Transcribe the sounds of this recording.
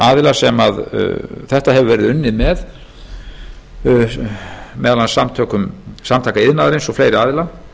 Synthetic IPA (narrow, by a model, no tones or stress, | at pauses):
aːðɪlasɛmað̰θɛht̪ahɛvʏvɛːɾɪðʏnːɪmɛð | mɛðalansamt̪ʰœːkʏmsamt̪ʰajkaɪðnaːðaɾejnsɔfleːjɾɪaːðɪla